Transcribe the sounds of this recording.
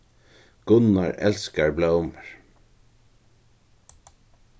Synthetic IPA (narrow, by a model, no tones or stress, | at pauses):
ɡ̥ʊnaɹɛ̰lskaɹblœwməɹ